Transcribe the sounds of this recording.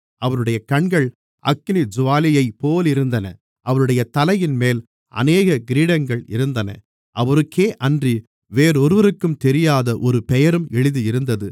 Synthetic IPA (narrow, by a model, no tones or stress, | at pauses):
ʔɐʋɐnɯɽɐjɐkɐɳɡɐɭ | ʔɐ̰kːnid͡ʒʊʋaːlɪjɐɪpːoːlɪɾɯnd̪ɐnɐ̰ | ʔɐʋɐnɯɽɐjɐt̪ɐlɐjɪnmeːl | ʔɐ̰neːɣɐɡɪɾiːɽɐŋɡɐɭɪ̰ɾɯnd̪ɐnɐ̰ | ʔɐʋɐɾɯkʰːeːʔɐndri | ʋeːɾɔɾɯʋɐɾɯkːɯmt̪ɛɾɪjaːðɐʔɔɾɯpɛjɐɾɯmɛɭɪðɯɪɾɯnd̪ɐðɯ